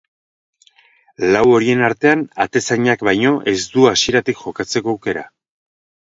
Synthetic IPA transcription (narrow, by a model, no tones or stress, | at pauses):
lawo̞ɾie̞naɾt̪e̞anat̪e̞saɲakβajɲo̞ʔe̞zd̪uasie̞ɾat̪ikʝo̞kat͡se̞koːwke̞ɾa̰